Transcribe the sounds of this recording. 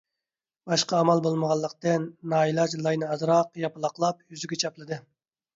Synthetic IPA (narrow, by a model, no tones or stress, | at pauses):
b̥ɑʃqɑːmɑlˠbolˠməʁɑlˠːəqt̪ɨnːɑːilˠɑd͡ʒlˠɑjnɨɑzɾɑqjɑpɨlˠɑqlˠɑpjyzyɡʲɛt͡ʃʰɑplˠɨd̪ɨ